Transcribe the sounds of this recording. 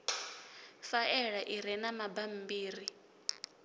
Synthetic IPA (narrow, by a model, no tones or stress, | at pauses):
faʔɛɺaʔiɾɛnamabam̩biːri